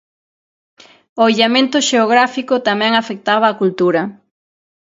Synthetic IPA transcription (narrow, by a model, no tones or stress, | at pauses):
oiʎamẽnt̪ʊʃeoɣɾafikot̪amɛ̃ŋafek̚t̪aβɐːkult̪uɾɐ